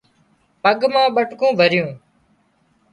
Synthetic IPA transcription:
pəɠmãːɓəʈkõːbʱəɾɪjũː

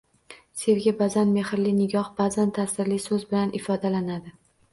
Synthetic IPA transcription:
se̞wɡʲabazanme̞hɪɾlɪnɪɡʲɒhbazant̪ʰasɪɾlɪsɵzbɪlanʔɪfɒd̪alanad̪ɪ

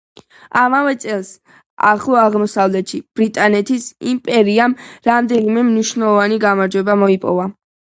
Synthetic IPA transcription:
amavɛt̪sʼɛlˠs | a̰χlˠɔaʁmɔsavlɛt̪ʃib̥ɾit̪ʼanɛt̪ʰisimpʼɛɾiamɾamd̪ɛnimɛmniʃnɛlˠɔvaniɡamaɾd͡ʒwɛbamɔipʼɔ̰va

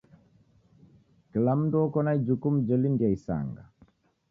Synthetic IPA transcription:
kilam̩nduɔkɔnaid͡ʒukum̩d͡ʒɛlindiaisa̰ŋɡa̰

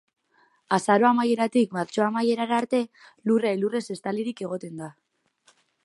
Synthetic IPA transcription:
asaɾo̞amajeɾat̪ikmaɾt͡ʃo̞amaje̞ɾaɾaːɾt̪e̞lurejlure̞se̞st̪aliɾike̞ɣ̞o̞t̪e̞nd̪a

